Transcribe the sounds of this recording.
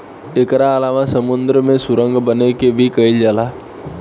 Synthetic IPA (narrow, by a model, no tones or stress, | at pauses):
ekɾaːlaːʋãsəmʊnd̪ɾəmẽsʊɾə̃ŋɡbənekebʱikəild͡ʒalaː